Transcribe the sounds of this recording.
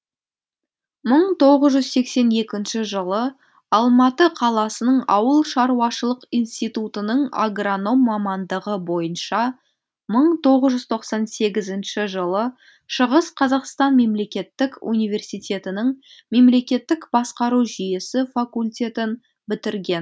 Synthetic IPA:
məɴt̪ʰo̞ʁəzʒʏzse̞kse̞ne̞kʲɪnʃɪʒəlˠə | ɑlˠmɑt̪əqʰɑlˠɑsənəɴɑwəlˠʃɑɾuwɑʃəlˠəqijnst̪ijt̪ut̪ənəɴa̰ɡrono̞mːɑmɑnd̪əʁəbo̞jənʃɑ | məɴt̪ʰo̞ʁəzʒʏz̥t̪ʰo̞qsɑnse̞ɡʲɪzɪnʃɪʒəlˠə | ʃəʁəsqʰɑzɑqst̪ɑnme̞mle̞kʲe̞t̪ːɪkṵnijve̞rsijt̪ʲe̞t̪ɪnɪɴme̞mle̞kʲe̞t̪ːɪkbɑsqɑɾuʒije̞sɪfakulʲt̪ʲe̞t̪ɪn | bɪt̪ɪɾɡʲe̞n

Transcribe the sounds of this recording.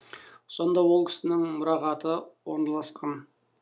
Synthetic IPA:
so̞nd̪ɑwolˠkʲʰɪ̥sɪnɪŋmʊɾɑʁɑt̪əwoɾnɑlˠɑsqʰɑn

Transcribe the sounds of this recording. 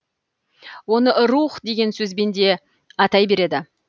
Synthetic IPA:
wo̞nəɾuχd̪e̞ɡʲe̞nsɵzbe̞nd̪e̞ | ɑt̪ɑjbe̞ɾe̞d̪ɪ

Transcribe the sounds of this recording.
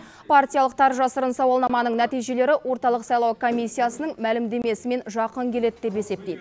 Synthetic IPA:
pʰart̪ʲijalˠəqt̪ʰɑɾʒɑsəɾənsɑwɑlˠnɑmɑnəɴnæt̪ijʒe̞le̞ɾɪwo̞ɾt̪ɑlˠəqsɑjlˠɑwkʰo̞mijsʲːijasənəɴmælɪmd̪e̞me̞sɪme̞nʒɑqəŋkʲʰe̞le̞d̪d̪e̞pe̞se̞p̚t̪e̞jd̪ɪ

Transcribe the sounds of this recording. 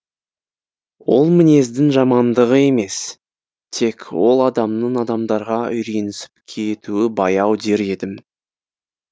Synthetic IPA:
wo̞̰lˠmɪne̞zd̪ɪŋʒɑmɑnd̪əʁəe̞me̞s | t̪ʰe̞kwo̞lˠɑd̪ɑmnəɴɑd̪ɑmd̪ɑɾʁɑʏjɾe̞nɪsɪ̥p̚kʲʰejt̪uɪbɑjɑwd̪e̞ɾe̞d̪ɪm

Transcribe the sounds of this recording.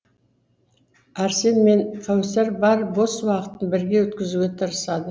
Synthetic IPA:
æɾse̞nme̞nfʰawseɾbɑɾbo̞swɑqə̥t̪ːənbɪɾɡʲe̞wɵt̪kʲɪzuɡʲet̪ʰəɾəsɑd̪ə

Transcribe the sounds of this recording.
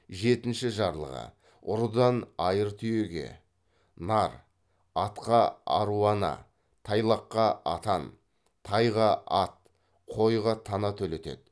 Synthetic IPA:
ʒe̞t̪ɪnʃɪʒɑɾlˠə̰ʁə̰ | ʊɾəd̪ɑnɑjəɾt̪ʰʏjeɡʲe̞̰ | nɑɾ | ɑt̪qɑɑ̰ɾuɑnɑ̰ | t̪ʰɑjlˠɑqːɑɑ̰t̪ɑn | t̪ʰɑjʁɑɑt̪̚ | qʰo̞jʁɑt̪ʰɑnɑt̪ʰɵle̞t̪e̞̰d̪ɪ

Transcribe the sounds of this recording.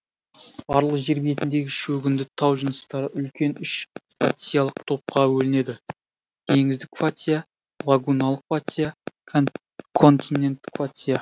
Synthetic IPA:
ɑɾlˠəʒe̞ɾbije̞t̪ɪnd̪e̞ɡʲɪʃɵɡʲɪnd̪ɪt̪ʰɑwʒənəst̪ɑɾəʔʏlkʲe̞nʏʃ | fat̪ʲijalˠəq̚t̪ʰo̞p̚qɑwɵlɪne̞d̪ɪ | t̪ʰe̞ŋɪzd̪ɪkfat̪ʲija | lˠaɡunalˠəqvat̪ʲja | kʰo̞nt̪inːe̞nt̪ːɪ̥kfat̪ʲija

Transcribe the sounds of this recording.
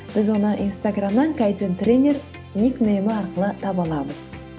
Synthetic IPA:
b̥ɪzwo̞nəʔinst̪aɡramnɑŋkʰajt̪ʲent̪rʲenʲer | nʲikmejɪmɪɑɾqəlˠət̪ʰɑbɑlˠɑməz̥

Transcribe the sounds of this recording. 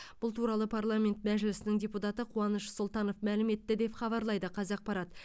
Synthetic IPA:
b̥ʊlˠt̪ʰuɾɑlˠəpʰarlˠamʲe̞nt̪mæʒɪlɪsɪnɪŋdʲe̞put̪ɑt̪əqʰuɑnəʃsolˠt̪ɑno̞fmælɪme̞t̪ːɪd̪e̞pχɑβɑɾlˠɑjd̪əqʰɑzɑq̚pɑɾɑt̪

